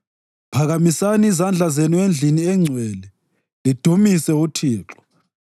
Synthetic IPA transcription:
pʰaɣamisaniːzand͡ɮʱazenuend͡ɮʱiniɛŋ͡ǀʱwɛːlɛ | lid̥ʱumisɛutʰiːǁɔ̥

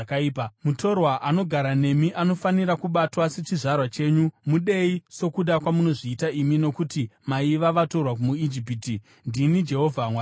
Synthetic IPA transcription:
kaiːpamutʰo̞rwaʔano̞ɡʱaɾane̞miʔano̞faniɾakuɓatwaset͡ʃiʐarwat͡ʃe̞ːɲumuɗe̞iso̞kuɗakwamuno̞ʐiːtaimino̞kutimaiʋaʋato̞rwak̬umuid͡ʒip̬iti | ndinid͡ʒe̞ɦo̞vʱamwa

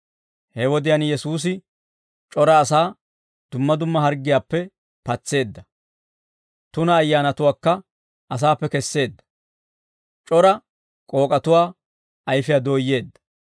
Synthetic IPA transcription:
hɛwɔd̪ɪjɐnjɛsuːs̬ɪ | t͡ʃʼɔɾɐːsaː | d̪̥ʊmːɐd̪ʊmːɐɦɐɾɡːɪjaːpːɛ | pɐt͡sːe̞ːd̪ːɐ | t̪ʊnɐːjːaːnɐt̪ʊwaːkːɐ | ʔɐs̬aːpːɛkɛsːe̞ːd̪ːɐ̥ | t͡ʃʼɔɾɐ | kʼo̞ːkʼɐt̪ʊwaː | ɐjfɪjaːd̪oːjːe̞ːd̪ːɐ̥

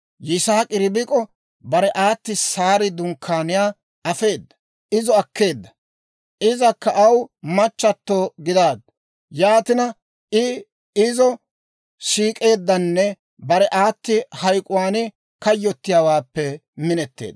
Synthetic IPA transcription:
jɪsaːkʼɪɾɪbɪkʼɔ | bɐɾɛʔaːt̪ːɪsaːɾɪd̪ʊŋkʰːaːnɪjaː | ɐfe̞ːd̪ːɐ̥ | ʔɪzɔɐkːe̞ːd̪ːɐ̥ | ʔɪzɐkːɐʔɐwmɐt͡ʃːɐt̪ːoːɡɪd̪aːd̪̚ | jaːt̪ɪnɐ | ɪ | ɪzɔ | ʃiːkʼe̞ːd̪ːɐnːɛ | bɐɾɛʔaːt̪ːɪhɐjkʼʊwaːnɪ | kɐjːɔt̪ːɪjaːwaːpːɛmɪnɛt̪ːe̞̰ːd̪ɐ

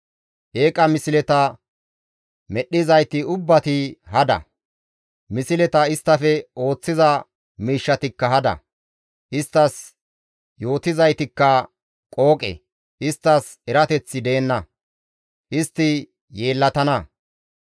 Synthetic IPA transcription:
ʔeːkʼɐmɪsɪlɛt̪ɐ | mɛɗːɪzɐjt̪ɪʊbːɐt̪ɪhɐd̪ɐ̰ | mɪsɪlɛt̪ɐɪst̪ːɐfɛo̞ːt͡sːɪzɐ | miːʃːɐt̪ɪkːɐɦɐd̪ɐ̰ | ʔɪst̪ːɐs | jo̞ːt̪ɪzɐjt̪ɪkːɐ | kʼo̞ːkʼɛ̰ | ʔɪst̪ːɐs | ɛɾɐt̪ɛt͡sːɪd̪eːnːɐ | ʔɪst̪ːɪ | je̞ːlːɐt̪ɐnɐ

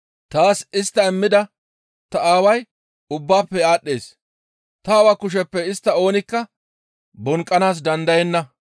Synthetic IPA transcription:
t̪aːsɪst̪ːɐɛmːɪd̪ɐ | t̪ɐaːwɐj | ʊbːaːpːɛaːɗːeːs | t̪ɐːwakʊʃ̬ɛpːɛɪst̪ːɐo̞ːnɪkːɐ | bɔŋkʼːɐnaːs̬d̪ɐnd̪ɐjɛnːɐ

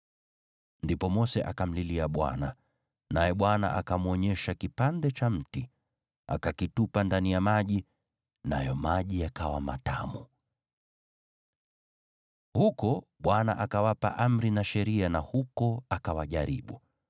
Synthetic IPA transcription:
ndipɔmɔsɛʔakam̩liliaɓwa̰na | najɛɓwana̰ʔakamuɔɲɛʃakipandɛt͡ʃam̩ti | a̰kakitupandanijamaʄi | na̰jɔmaʄiakawama̰ta̰mu | hukɔɓwana̰ʔakawapa̰ʔam̩ɾinaʃɛɾianahukɔakawaʄaɾḭɓu

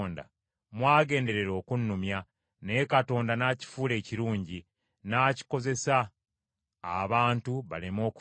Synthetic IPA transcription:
nda̰ | mwaːɡe̞ːnde̞ɾe̞ɾo̞ːkunːumja | ne̞kato̞ːndanaːci̥fuːle̞ːciɾuːɲɟi | naːci̥ko̞ze̞saː | βaːntuβa̰lemo̞ːku

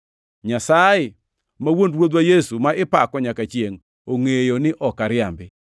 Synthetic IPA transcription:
ɲasajɪ | mawondwod̪wajesumaɪpakɔɲakat͡ʃjeŋ | oŋejonɪʔɔkaɾɪambɪ

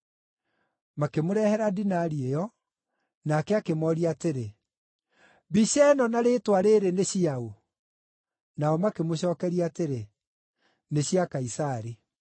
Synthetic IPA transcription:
makemoɾɛhɛɾadinaɾiejɔ | nakɛakemɔɾiateɾe | biɕɛnɔnaɾetwaɾeɾeneɕiao | naɔmakemoɕɔːkɛɾiaːteɾe | neɕiakaisaɾi

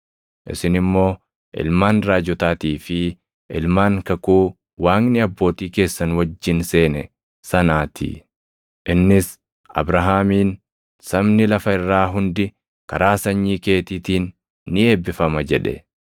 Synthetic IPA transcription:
ʔɪ̰sɪnɪmːo̞ː | ʔɪ̰lmaːnɾaːd͡ʒɔt̪aːt̪iːfɪ | ʔɪlmaːŋkɐkuː | waːŋnɪɐbːo̞ːt̪iːke̞ːsːɐnwɐd͡ʒːɪnseːnɛ | sɐnaːt̪ʰḭː | ʔɪnːɪs | ɐ̰bɾɐɦaːmiːn | sɐbnɪlɐfɐɪrːaːɦʊnd̪ɪ | kɐɾaːsɐɲːiːke̞ːt̪iːt̪iːnː | ɪe̞ːbːɪfɐmɐd͡ʒɛᶑɛ̰

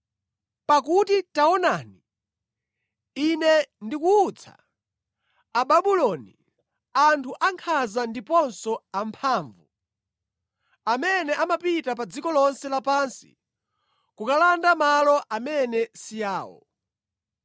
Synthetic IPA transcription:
pak̬utitaɔnani | inɛndikuːt͡sʰa̰ | aɓaɓulɔni | antʰuʔaŋkʰazandipɔnsɔampʰaːɱvu | amɛnɛʔamapitap̬ad͡zikɔlɔnsɛlapansi̥̰ | kukalandamalɔʔamɛnɛsijaːwɔ̰

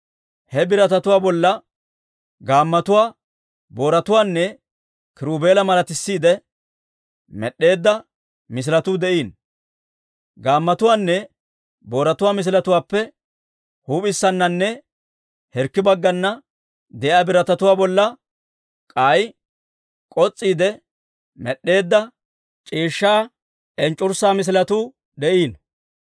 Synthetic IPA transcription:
hɛbɪɾɐt̪ɐt̪ʊwaːbɔlːɐ | ɡaːmːɐt̪ʊwaː | bo̞ːɾɐt̪ʊwaːnːɛ | kɪɾuːbe̞ːlɐmɐlɐt̪ɪsːiːd̪ɛ | mɛɗːe̞ːd̪ːɐ | mɪs̬ɪlɐt̪ud̪ɛʔiːn | ɡaːmːɐt̪ʊwaːnːɛ | bo̞ːɾɐt̪ʊwaːmɪs̬ɪlɐt̪ʊwaːpːɛ | huːpʼɪsːɐnːɐnːɛ | hɛɾkːɪbɐɡːɐnːɐ | d̪ɛjaːbɪɾɐt̪ɐt̪ʊwaːbɔlːɐ | kʼaj | kʼɔt͡sʼːiːd̪ɛ | mɛɗːe̞ːd̪ːɐ | t͡ʃʼiːʃːaː | ʔɛnt͡ʃʼːʊɾsaːmɪs̬ɪlɐt̪uː | d̪ɛʔiːn

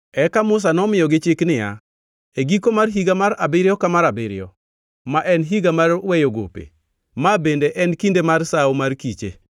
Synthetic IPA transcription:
ɛkamʊs̬anɔmɪjɔɡɪt͡ʃeknɪja̰ | eɡikomarɦiɡamaɾabɪɾjɔkamaɾabɪɾɪ̰ɔ | maʔɛnɦiɡamarwɛjoɡo̰pḛ | mabendeʔɛnkindemarsawomarkit͡ʃḛ

